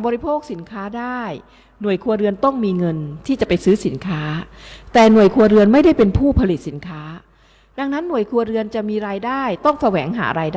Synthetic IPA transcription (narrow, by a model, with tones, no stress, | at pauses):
bɔː˧ɾi˧˥pʰoː˥˩k̚si˩˦nkʰaː˦˥daː˥˩j | nu˨˩əjkʰu˧ɐɾɯ˧ənt̪ɔ˥˩ŋmiː˧ŋɤ˧nt̪ʰiː˥˩t͡ɕa˨˩pa˧jsɯː˦˥si˨˩˦nkʰaː˦˥t̪ɛː˨˩nu˨˩əjkʰu˧ɐɾɯ˧ənma˥˩jda˥˩jpe˧npʰuː˥˩pʰa˧li˨˩si˩˦nkʰaː˦˥ | da˧ŋna˦˥nːu˨˩əjkʰu˧ɐɾɯ˧ənt͡ɕa˨˩miː˧ɾaː˧jdaː˥˩jt̪ɔ˥˩ŋsa˧wɛː˩˦ŋɦa̰ː˩˦ɾaː˧jda